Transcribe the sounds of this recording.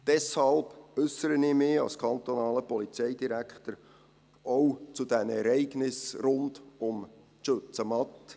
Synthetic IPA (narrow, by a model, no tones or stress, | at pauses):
d̥ɛshɑlb̥ʏsəɾənɪːmɪːɑ̰lskʰɑnt̪onɑːləpɔlit͡sɛɪdiɾækχt̪əɾ | owt͡sud̥̪ɛnɛɾɛɪɡnɪsrʊndʊm | ʃøt͡səmɑt̪